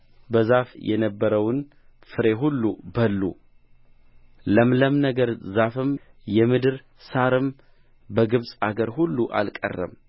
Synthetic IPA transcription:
bəzafjʔɛ̰nəbːəɾəwɨn | fɨɾe̞ɦulːubəlːu | ləmləmnəɡəɾzafɨmjɛmɨd̪ɨɾ | saɾɨm | bəɡɨβsʼaɡəɾhulːuʔa̰lkʼə̰rːə̰m

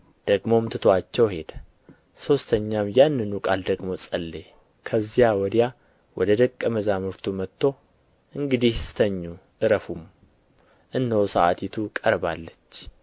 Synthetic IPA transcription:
d̪̥əɡmo̞mt̪ʰɨt̪ʰoat͡ʃːɛwhe̞d̪ | so̞st̪ʰəɲːamjanːɨnukʼald̪əɡmo̞sʼəlːe | kʰəzːijawɔd̪ja | wʔɔd̪əd̪əkʼːəməzamɨɾt̪ʰumət̪ʰːo̞ | ʔɨŋɡɨd̪ihst̪ʰəɲːuʔɨɾəfum | ʔɨnːəwsəʔa̰t̪ʰit̪ʰukʼəɾbalːət͡ʃː

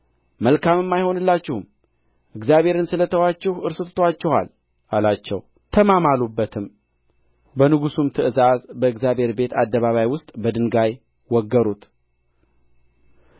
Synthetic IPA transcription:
məlkʰamɨmːajho̞nɨlːat͡ʃːɪhm | ʔɨɡzjaβhe̞ɾɨnsɨlət̪ʰəwat͡ʃːɛhɨɾsɨt̪ʰt̪ʰat͡ʃːɛha̰l | ʔalat͡ʃːɛ̰w | t̪ʰəmamalubːət̪ʰɨm | bənɨɡusumt̪ʰɨʔɨzazbəɨɡzjaβhe̞ɾbe̞t̪ʰad̪ːəβaβajwʊst̪ʼbəd̪ɨnɡaj | wɔɡːəɾut̪

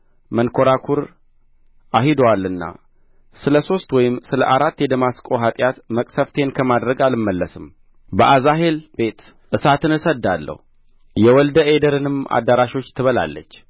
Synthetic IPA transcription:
mənkʰo̞ɾakʰuɾ | ʔaɦid̪oalːɨnːa̰ | sɨləso̞st̪wɔjɪmsɨlə̰ʔaɾat̪ːjɛd̪əmaskʼoɦat̪ʼjat̪məkʼsəft̪ʰe̞nkʰəmad̪ɾəɡalɨmːəlːəsɨm | bəʔazaɦe̞lb̥e̞t̪ | ʔɨsat̪ɨnɨsəd̪ːalːə̰hu | jɛwɔld̪əʔed̪əɾɨnɨma̰d̪ːəɾaʃo̞t͡ʃːt̪ʰɨβəla̰lːə̰t͡ʃː

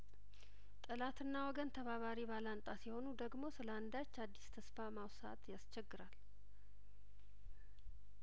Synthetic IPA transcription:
t̪ʼɨlat̪ɨnːawɔɡənt̪ʰəβaβaɾibalant̪ʼasiho̞nud̪əɡmo̞sɨləand̪at͡ʃːad̪ːist̪ʰəsfamawsa̰t̪jast͡ʃɛɡːɨɾal

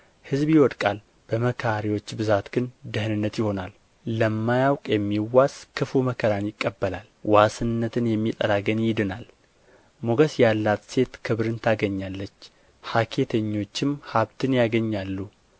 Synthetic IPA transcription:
hɨzbjiwɔd̪kʼal | b̥əməkʰːɾiwo̞t͡ʃːbɨzat̪ɡɨnd̪ɨhɨnɨnːət̪jɪho̞nalː | əmːajawkʼjɛmːiwːaskʰɨfuməkʰəɾanjɪkʼːəbːəlalwasɨnnːət̪ʰɨnjɛmːit̪ʼə̰ɾaɡənjɪd̪ɨnal | moɡəsjalːat̪se̞t̪kʰɨβɾɨnt̪ʰaɡəɲːalːət͡ʃː | hakʰe̞t̪ʰəɲːo̞t͡ʃːɪmhaβt̪ʰɨnjaɡəɲːalːu

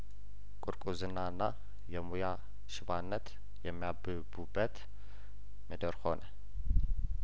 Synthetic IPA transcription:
kʼuɾkʼuzɨnːanːa | jɛmuja | ʃɪβanːət̪ | jɛmːijabɨbubːət̪ | məd̪əɾho̞nə

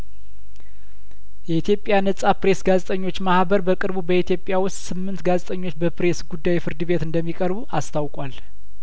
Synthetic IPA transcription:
jɛit̪ʰjo̞pʼjanəsʼapɾe̞sɡazet̪ʼəɲːo̞t͡ʃːmahbəɾbəkʼɨɾbubəit̪ʰjo̞pʼjawʊst̪ʼsɨmːɨnt̪ɡazet̪ʼəɲːo̞t͡ʃːbəpɾe̞sɡud̪ːajfɨɾd̪ɨβe̞t̪ɨnd̪əmːikʼəɾbuast̪ʰawkʼwal

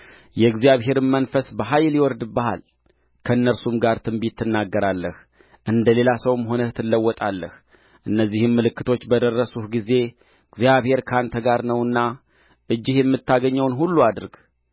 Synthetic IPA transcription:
jɛɡzjaβɦe̞ɾɨnmənfəsbəɦajljwɔɾd̪bəha̰l | kʰəɨnːəɾsumɡaɾt̪ʰɨmbit̪ʰːɨnːaɡːəɾalːəh | ʔɨnd̪əle̞lasəwmɦo̞nət̪ʰɨlːəwːɔt̪ʼalːəh | ʔɨnːəzːihɨmːɨlɨkːɨt̪ʰo̞t͡ʃːbəd̪ərːəsuhɡize̞ | ɡzijaβhe̞ɾkʰant̪ʰəɡaɾnəwɨnːa | ʔɨd͡ʒːɪhjɛmːɨt̪ʰːaɡəɲːəwnɦulːuad̪ɨɾɡ

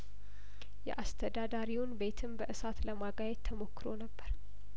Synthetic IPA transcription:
jɛ̰ʔast̪ʰəd̪ad̪aɾiwʊnbe̞t̪ʰɨmbəʔɨsat̪ləmaɡajɛt̪t̪ʰːəmo̞kːɨɾo̞nəbːəɾ

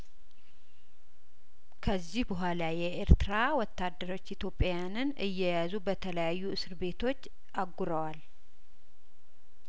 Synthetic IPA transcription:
kʰəzːihbəɦʷalajɛʔeɾt̪ɨɾawɔt̪ːad̪ːəɾo̞t͡ʃːit̪ʰjo̞pʼːjanɨnʔɨjːɛjazubət̪ʰələjajːuɨsɨɾbe̞t̪ʰo̞t͡ʃː | ʔaɡːuɾəwal

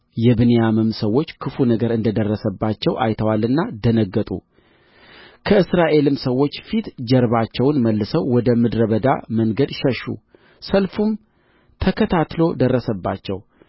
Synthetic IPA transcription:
jɛbɨnejamɨmsəwːo̞t͡ʃːkʰɨfunəɡəɾɨnd̪əd̪ərːəsəbːat͡ʃːɛwʔa̰jt̪ʰəwalɨnːad̪ənəɡːət̪ʼṵ | kʰəɨsɾaʔe̞lɨmsəwːo̞t͡ʃːfit̪d͡ʒɛɾβat͡ʃːɛwnməlːɨsəwːɔd̪əmɨd̪ɾəβəd̪a̰məŋɡəd̪ʃɛʃṵ | səlfum | t̪ʰəkʰət̪ʰat̪lo̞d̪ərːəsəbːat͡ʃːɛw

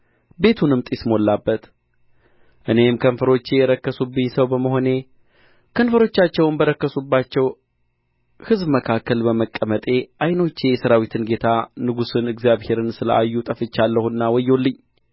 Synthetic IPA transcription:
be̞t̪ʰunɨmt̪ʼismo̞lːabːət̪ | ʔɨne̞mkʰənfəɾo̞t͡ʃːejɛɾəkːəsubɨɲsəwbəməɦo̞ne | kʰənfəɾo̞t͡ʃːat͡ʃːɛwnbəɾəkːəsubːat͡ʃːɛw | hɨzbməkʰakːəlbəməkʼːəmət̪ʼe̞ʔajno̞t͡ʃːejɛsəɾawit̪ʰɨnɡe̞t̪ʰanɨɡusɨnɨɡzijaβhe̞ɾɨnsɨlə̰ʔajːut̪ʼəfɨt͡ʃːalːəhunːawɔjːo̞lːɨɲː

